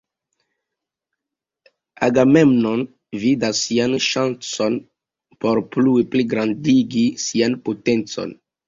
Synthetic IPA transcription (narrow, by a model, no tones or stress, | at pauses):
aɡamemnon | vidasːianʃant͡son | poɾpluepliɡɾandiɡisianpotent͡so̰n